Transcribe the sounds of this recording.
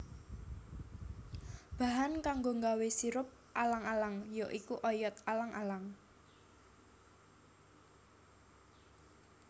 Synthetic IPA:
b̥a̤ɦankaŋɡoŋɡawesiɾʊp̚ʔalaŋalaŋjoʔikuʔɔjɔt̪̚alaŋʔalaŋ

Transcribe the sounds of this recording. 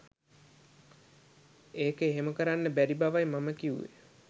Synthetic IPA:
eːkeɦeməkəɾanːəbæɾibaʋajmaməkiṵʋḛ

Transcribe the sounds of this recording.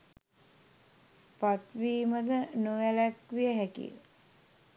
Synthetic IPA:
pat̪ʋiːməd̪ənuʋælækʋijəɦækḭ

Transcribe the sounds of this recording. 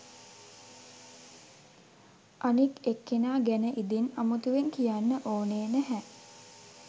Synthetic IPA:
ʔanikekːenaːɡænəʔid̪inamut̪uʋeŋkijanːəʔoːneːnæɦɛ

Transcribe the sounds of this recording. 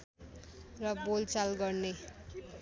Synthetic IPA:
rʌbolt͡salɡʌrne

